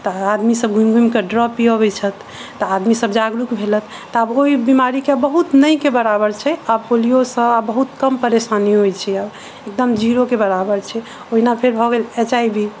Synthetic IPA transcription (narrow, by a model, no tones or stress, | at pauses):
t̪ɔad̪misəb̚ɡʱumɡʱumkəɖɾɔpiobɛt͡ʃʰət̪ʰː | ɔad̪misəbd͡ʒaɡɾukbʱelət̪ʰːɔaboibimaɾikebəɦut̪nəjkebəɾabəɾt͡ʃʰɛabpolijosə̃bəɦut̪kəmpəɾesaniɦojt͡ʃʰɛab | ek̚d̪əmd͡ʒiɾokebəɾabəɾt͡ʃʰɛ | oɦinapʰeɾbʱɔɡelet͡ʃaibʱi